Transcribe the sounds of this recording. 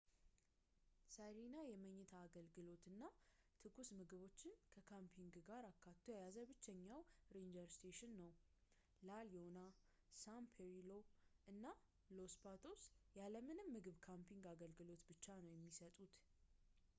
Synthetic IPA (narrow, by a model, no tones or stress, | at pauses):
saɾinajɛməɲːɨt̪ʰaːɡəlɡɨlo̞t̪ɨnːat̪ʰɨɡusmɨɡɨβo̞t͡ʃːɪnkʰəkʰampʰiŋɡɡaɾakːat̪ʰːojajazəbɨt͡ʃːɛɲːawɾend͡ʒəɾst̪ʰeʃɨnːəw | laliona | sampʰeɾilo̞ʔɨnːa | lo̞spat̪ʰo̞sjaləmɨnɨmːɨɡɨβkʰampʰiŋɡaɡəlɡɨlo̞t̪bɨt͡ʃːanəwjɛmːisət̪ʼut̪